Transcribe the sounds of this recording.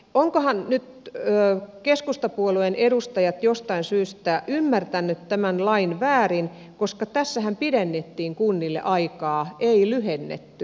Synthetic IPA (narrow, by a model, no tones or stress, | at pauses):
oŋkohɑnnyt̪øːkeskust̪ɑpuoluenʔeɾust̪ɑjɑt̪jost̪ɑinsyːst̪æʔymːært̪ænːyt̪tæmænlɑinʋæːrin | koskɑt̪æsːæhæmpiɾenːet̪ːiːŋkunːilːḛʔɑikɑːʔeilyhenːḛt̪ːy